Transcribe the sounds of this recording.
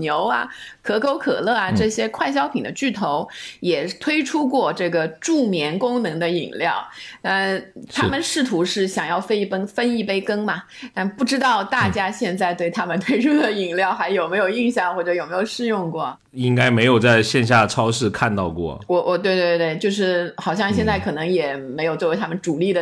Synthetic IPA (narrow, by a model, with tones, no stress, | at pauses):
njo˧˥ʊɐ̰˧kʰɤ˧˥kʰo˧˥ʊkʰɤ̰˨˩lɤ˥˩ɐ˩ʈ͡ʂɤ˥˩ɕjɛ˥kʰwa˥˩ɪɕ̬jɑ˥ʊpʰi˨˩ŋd̪ə˦t͡ɕy˥˩t̪ʰo˧˥ʊjɛ˨˩t̪ʰwe˥ɪʈ͡ʂʰu˥kwɔ˥˧ʈ͡ʂɤ˥˩ɡə˩ʈ͡ʂu˥˩mjɛ˧˥nkʊ˥ŋnɤ˧˥ŋd̪ə˧ḭ˨˩ŋljɑ˥˩ʊə˥˧˩t̪ʰa˥˧˥mə˨nʂɻ̩˥˩t̪ʰu˧˥ʂɻ̩˥˩ɕjɑ˨˩ŋjɑ˥˩ʊfə˥ɪ˩pə˥ŋfə˥ni˥˩pe˥ɪkɤ˥ŋmɐ˨ | t̪a˥˩npu˥˩ʈ͡ʂɻ̩˥t̪ɑ˥˧ʊt̪a˥˩t͡ɕja˥ɕjɛ˥˧nt͡sa˥˧ɪt̪we˥˩ɪt̪ʰa˥mə˨nt̪ʰwe˥ɪʈ͡ʂʰu˥d̪ə˨i˨˩ŋljɑ˥˩ʊxa˧˥ɪjo˨˩ʊme˧˥ɪjo˨˩ʊi˥˧ŋɕjɑ˥˩ŋxwɔ˥˩ʈ͡ʂɤ˧˥jo˨˩ʊme˧˥ɪjo˨˩ʊʂɻ̩˥˧jʊ˥˧ŋkwɔ˥˩ | i˥ŋka˥ɪme˧˥ɪjo˨˩ʊt͡sa˥˧ɪɕjɛ˥˧nɕ̬ja˥˩ʈ͡ʂʰɑ˥ʊʂɻ̩˥˧kʰa˥˧nt̪ɑ˥˧ʊkwɔ̰˥˩wɔ˧˥wʔɔ˨˩t̪we˥˧ɪt̪we˥˧ɪt̪we˥˩ɪt͡ɕjo˥˧ʊʂ̬ɻ̩˥˩xɑ˨˩ʊɕjɑ˥˧ŋɕjɛ˥˧nt͡sa˥˩ɪkʰɤ˨˩nɤ˧˥ŋjɛ˨˩me˧˥ɪjt͡swɔ˥˩˧ɪa˥mə˨nʈ͡ʂu˨˩li˥˩d̪ə˩